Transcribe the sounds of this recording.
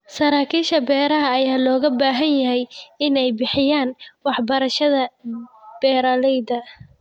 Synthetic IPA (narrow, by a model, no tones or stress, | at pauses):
sɐɾaːkʰiːʃɐbɛːɾɐɦɐːjaːlɔːɣɐbaːɦɐnjɐɦɛjɪnɛjbɪħɪjaːnwɑħbɐɾɐʃɐðɐ | b̥ɛːɾɐlɛjd̪ɐ